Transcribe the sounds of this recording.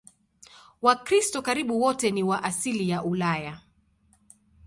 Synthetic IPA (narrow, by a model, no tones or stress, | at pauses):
wakɾistɔkaɾiɓuwɔtɛniwaʔasilijaʔulaja